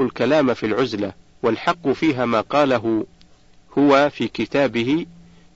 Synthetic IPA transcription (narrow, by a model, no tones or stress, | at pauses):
ʊlkalaːmfilʕʊzla | walħɑqːʊfiːɦaːmaːqɑːlaɦʊ | hʊwafiːkɪt̪aːbɪhɪ